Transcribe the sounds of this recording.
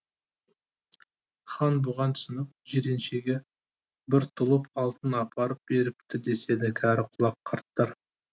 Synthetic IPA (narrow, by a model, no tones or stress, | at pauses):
χɑnbʊʁɑnt̪sɪnəp̚ʒeɾe̞nʃe̞ɡʲe | bɪɾt̪ʰʊlˠəpɑlˠt̪ənɑpʰɑɾəp̚be̞ɾɪp̚t̪ɪd̪e̞se̞d̪ɪkʲʰæɾɪqʰʊlˠɑqʰːɑɾt̪ːəɾ